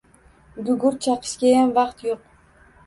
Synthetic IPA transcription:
ɡʊɡʊɾt͡ʃʰɑqʰɨ̥ʃkʲajamvɑqt̪joq

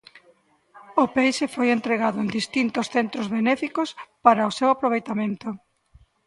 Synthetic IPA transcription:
opejʃefojent̪ɾeɣaðʊend̪ist̪int̪osθent̪ɾozβenɛfikospaɾaʊsewapɾoβ̞ejt̪amẽnt̪ʊ

